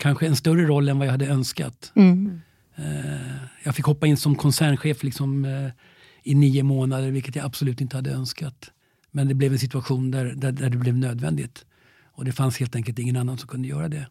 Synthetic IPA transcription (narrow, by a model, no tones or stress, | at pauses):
kʰanɧəɛnst̪œrəɾɔlːɛnvajahad̪ːəœnska̰t̪ | jɑːɡfɪkhɔpːaɪnːsɔmkʰɔnsæːɳɧeːflɪksɔm | ɪniːəmoːnad̪əɾvɪlkət̪jaabsɔlʉ̟ːt̪ɪnt̪əhad̪ːəœnskat̪ | mɛnd̪ɛblɛvɛnsɪt̪ɵaɧuːnd̪æɾd̪æd̪æɖɵblɛvnøːd̪vɛ̰nd̪ɪt̪ | ɔd̪ɛfansheːlt̪ɛŋkəlt̪ɪŋːənanːansɔmkʰɵnd̪əjœ̰ːɾad̪ɛ